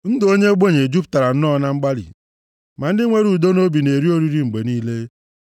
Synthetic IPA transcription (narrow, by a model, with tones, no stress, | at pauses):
n̩˦do˦ɲe˦ɡ͡bo˦˨ɲe˨d͡ʒu˦pta˨ɾa˨n̩˦nɔ˦na˦ŋ͡m̩˦ɡ͡ba˦lḭ˨ | ma˨n̩˦dɪ˦ŋʷe˦ɾu˨do˦no˦bi˨ne˨ɾi˦o˦ɾi˦ɾi˦ŋ͡m̩˨ɡ͡be˨niː˦le˦